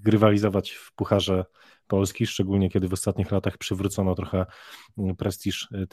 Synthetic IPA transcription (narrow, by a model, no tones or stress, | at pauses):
ɡɾɘvalʲizɔvat͡ɕfpuxaʐɛ | pɔlskʲiʂt͡ʂɛɡulɲɛkʲɛd̪ɘvɔst̪at̪ɲixlat̪axpʂɘvɾut̪sɔnɔt̪ɾɔxɛ | pɾɛst̪ʲiʂ